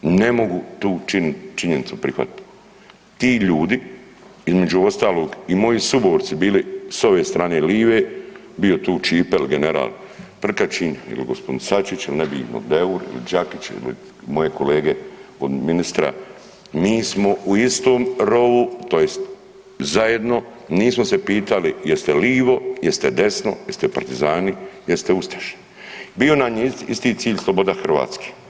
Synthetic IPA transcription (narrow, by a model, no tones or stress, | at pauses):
ne̞mo̞ɡut̪uːt͡ʃint͡ʃiɲe̞nit̪supɾixʋa̰t̪t̪ | t̪iːʎuːd̪i | izme̞d͡ʒuo̞st̪aːlo̞ːɡimo̞jisuboːɾt̪sibiːliso̞ʋeːst̪ɾaːneːliːʋeː | bio̞t̪uːt͡ʃiːpelɡeneɾa̰ːl | pr̩kat͡ʃiːnḭliɡospo̞d̪insat͡ʃit͡ʃilinebino̰d̪euɾḭlḭd͡ʒakit͡ʃḭlḭ | mo̞je̞ko̞leːɡeod̪minist̪ɾa̰ | miːsmo̞uist̪oːmɾo̞ʋut̪o̞jest̪ | zajed̪no̞ | niːsmosepiːt̪alijest̪eliːʋo̞jest̪ed̪e̞sno̞̰jest̪epaɾt̪izaːnijest̪eust̪aʃi̥ | bio̞naɲiḭst̪it̪siːʎʲslˠobod̪axr̩ʋa̰ːt̪ske̥